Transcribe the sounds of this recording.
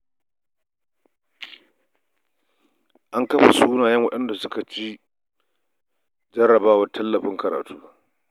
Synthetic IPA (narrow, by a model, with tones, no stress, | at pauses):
ʔa˦ŋkɐ˦ɸa̰˨suː˦naː˨jɛ˦ŋwɐ˦ɗɐ˦nda˨sʊ˦ka˨t͡ʃi˦ | d͡ʒɐ˦rɐ˨baː˦wɐ˦tʰɐ˦lːɐ˨ɸɪ˦ŋkɐ˨ɾa̰ː˨tʰuː˦